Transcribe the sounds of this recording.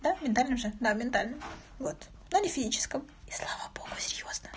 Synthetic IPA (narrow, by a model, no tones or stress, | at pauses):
d̪amʲɪnt̪alʲnɨmʐɨd̪amʲɪnt̪alʲnɨm | vot̪ | nuanʲɪfʲɪzʲit͡ɕɪ̥skəm | i̥slˠavəbo̞ɡ̥ʊ̥sʲɪɾʲjo̞znə